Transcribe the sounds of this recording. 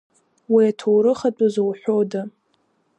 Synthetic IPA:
wiatʰowɾɨχat͡pʼuzowħʷᶣoda

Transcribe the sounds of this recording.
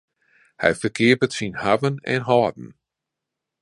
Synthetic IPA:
hɛ̰jfərkʰɪəpətsinhavənɛ̰nɦɔːdn̩

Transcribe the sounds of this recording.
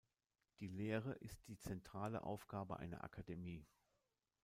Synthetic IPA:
d̥iːleːʁəʔɪst̚d̥iːt͡sɛntʁ̥aːlə̰ʔa̰ʊfɡ̥aːbəʔa̰ɪnɐ̰ʔa̰kʰademiː

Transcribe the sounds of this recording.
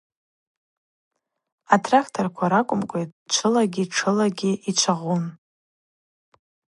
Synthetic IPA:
atʰrakʰtʰorkʷʰaɾakʷʼʊmkʷʼejt̚ʼt͡ʃʷʰɨlaɡʲiʈ͡ʂʰɨlaɡʲɪʔit͡ʃʷʰaʁun

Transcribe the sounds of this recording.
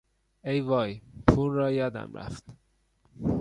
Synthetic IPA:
ejvɒːjpʰulːɒːjɒːd̪æ̰mɾæ̰ft̪

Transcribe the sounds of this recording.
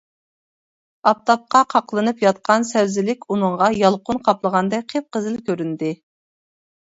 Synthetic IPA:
ɑp̚t̪ɑp̚qɑqʰɑqlˠɨnɨpjɑt̪̚qʰɑnsæwzɪlɪkʲunɨɴʁɑjɑlˠqʊnqʰɑplˠəʁɑnd̪ɛk̚ʲqʰep̚qəzɨlkʲʰøɾynd̪ɪ

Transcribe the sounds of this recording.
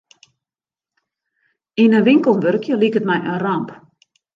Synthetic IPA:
inənʋɪŋkəl̩ˠnʋørkʰjəlikətmɛjʔənramp

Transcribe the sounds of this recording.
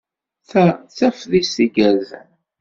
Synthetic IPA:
θæθæfðisiɡæð

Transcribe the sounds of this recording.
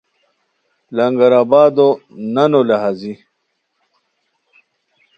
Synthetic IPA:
lɐŋɡɐɾaːbaːd̪onɐnolaɦazi

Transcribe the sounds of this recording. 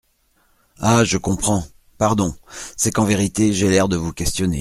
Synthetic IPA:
aʒəkɔ̃pχɑ̃ | paʁd̪ɔ̃sɛkɑ̃veʁit̪eʒelɛʁd̪əvukʲɛst̪jɔnḛ

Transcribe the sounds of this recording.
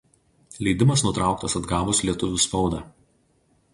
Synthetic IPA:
lʲɛɪd̪ʲɪmɐsnʊt̪ɾɑˑʊkt̪ɐsɐd̪ɡɑːbʊslʲiɛt̪ʊʋʲʊspɒʊd̪ɑː

